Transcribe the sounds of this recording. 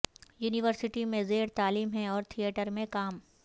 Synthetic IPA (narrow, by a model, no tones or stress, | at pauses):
juːniʋəɾsɪʈimẽzeːɾt̪aːliːmɦɛ̃ɔːɾt̪ʰijeːʈəɾmẽkaːm